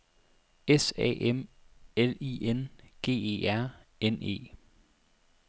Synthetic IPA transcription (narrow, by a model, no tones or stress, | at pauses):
esɛ̰ːʔemeliːenɡ̥e̝̰ːe̝̰ːæɐ̰ene̝̰ː